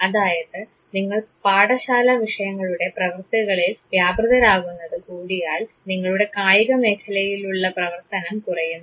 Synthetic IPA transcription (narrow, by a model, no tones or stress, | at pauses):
ɐðaːjɐðɨ | niŋːɐɭpaːɽɐɕaːlɐʋiʂɐjɐŋːɐɭuɽe̞prɐʋɐrt̪uɣɐɭilʋjaːbrɨðɐɾaːɣunːɐðɨkuːɽijaːl | niŋːɐɭuɽe̞kaːjiɣɐme̞ːkʰɐlɐjiluɭːɐprɐʋɐrt̪ɐnɐmkurɐjumː